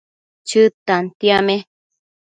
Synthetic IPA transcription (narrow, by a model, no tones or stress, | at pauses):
t͡ʃɨt̪ant̪iamẽ